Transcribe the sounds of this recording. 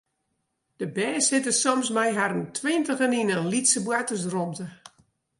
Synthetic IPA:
d̥əbɛːshɪtəsɔmsmɛjɦaɾəntʰwɪntəɣəninəlitsəbwatəsromtə

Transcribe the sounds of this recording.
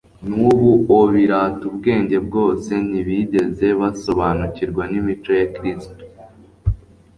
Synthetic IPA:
nuβuoβiɾaːtubɡe̞ːɲɟe̞bɡo̞ːse̞niβiɟe̞ze̞βaso̞βanuciɾɡwanimit͡ʃo̞jakɾisto̥

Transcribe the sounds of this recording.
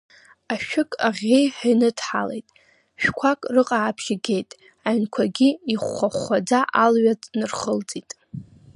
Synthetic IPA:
aʃᶣɪkʼaʁʲejħajnɨdʰħa̰lḛjtʼ | ʃᶣkʷʰakʼrɨqʼaːpʰʃɪɡʲe̞jtʼ | aɥnkʷʰaɡʲiiχʷːaχːʷad͡zaʔalɥat͡sʼnɨrχəld͡zʼitʼ

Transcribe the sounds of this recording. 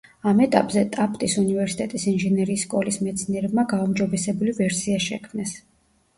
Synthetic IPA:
amɛt̪ʼa̰pʼzɛt̪ʼapʼt̪ʼisunivɛɾsi̥t̪ʼɛt̪ʼisinʒɛnɛɾiːsːkʼɔlismɛt̪sʰniɛɾɛbmaɡaumd͡ʒɔbɛsɛbulivɛɾsiaʃɛ̰kʰmnɛs

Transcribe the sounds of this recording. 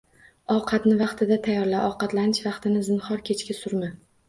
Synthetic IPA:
ɒwqʰɑt̪nɪvɑqt̪ʰɪd̪at̪ʰajɒɾlaʔɒwqɑt̪lanɪʃvɑqt̪ʰɪnɪzɪnχɒɾkʲʰe̞t͡ʃkʲasʊɾma

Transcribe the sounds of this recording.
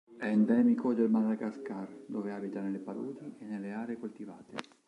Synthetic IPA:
ɛnd̪ɛːmikod̪elmalakaskard̪ɔveaːbit̪anelepaɾuːd̪iɛneleaːɾekult̪ivaːt̪ḛ

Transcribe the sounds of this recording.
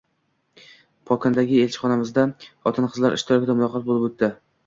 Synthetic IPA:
pʰɒkʰʲɪnd̪aɡʲɪe̞lʲt͡ʃʰɪ̥χɒnamɪzd̪aχɒt̪ʰɪnqʰɨzlaɾʔɪ̰ʃt̪ʰɪɾɒkʲɪd̪amʊlˠɒqʰɒt̪̚bolɪbɵt̪ʰːɪ

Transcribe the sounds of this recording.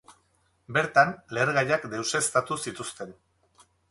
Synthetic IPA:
be̞ɾt̪anle̞ɾɣaʎakd̪e̞wse̞ːst̪at̪usit̪ust̪e̞n

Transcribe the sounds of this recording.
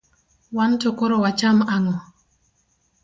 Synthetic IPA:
wantokoɾɔwat͡ʃamaŋɔ

